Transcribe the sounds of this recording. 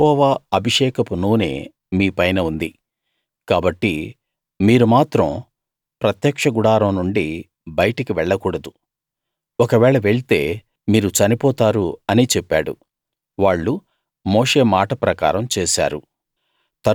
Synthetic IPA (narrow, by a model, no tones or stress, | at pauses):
ɔːʋaːɐbʱiʂɛːkɐpunuːnḛː | miːpɐjnɐund̪i | kaːbɐʈːi | miːɾumaːt̪ɾɐ̃m | pɾɐt̪jɐkʂɐɡuɽaːɾɐmnuɳɖi | bɐjɐʈɐkiʋɛɭːɐkuːɽɐd̪u | ɔkɐʋɛːɭɐʋeɭit̪e̞̰ː | miːɾut͡ʃɐnipɔːt̪aːɾuɐnit͡ʃepːaːɽṵ | ʋaːɭːu | moːʂe̞ːmaːʈɐpɾɐka̰ːɾɐmt͡ʃeːsa̰ːɾṵ | t̪ɐ